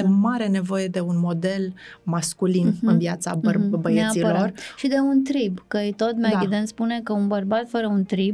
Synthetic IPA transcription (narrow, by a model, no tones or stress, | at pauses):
emaɾe̞ne̞vo̞je̞d̪e̞unmo̞d̪e̞l | maskulinɨnvjat̪sabəbəjeasilorʃid̪e̞unt̪ɾibkəit̪o̞t̪maevid̪ent̪spune̞kəunbərbat̪fəɾəunt̪ɾib